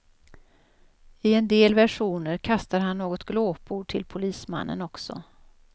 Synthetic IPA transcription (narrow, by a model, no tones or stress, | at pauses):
ɪɛnd̪eːlvæʂuːnəɾkʰast̪aɾɦanːoːɡɔt̪ɡloːpʰuʈʰɪlpʰʊliːsma̰nːə̰nɔksɔ̰